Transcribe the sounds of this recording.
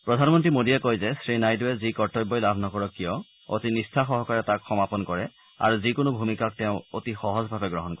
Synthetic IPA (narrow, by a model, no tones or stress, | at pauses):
pɹɔdʱanmɔntɹimodijɛkojzɛsɹinajduɛzikɔɹtɔjbɔjlabʱnɔkɔɹɔkːijɔ | o̰tinistʰaxɔɦɔkaɹɛtakxɔmapɔnkɔɹɛ | a̰ɹuzikʊnʊbʱumikak̚tɛʊ̃otixɔɦɔzbʱabɛɡɹɔɦɔnkɔ